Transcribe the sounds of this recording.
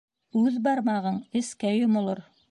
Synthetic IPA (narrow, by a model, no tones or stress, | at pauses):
ʉðbɑɾmɑʁɤɴɘ̆skæjomŏlˠoɾ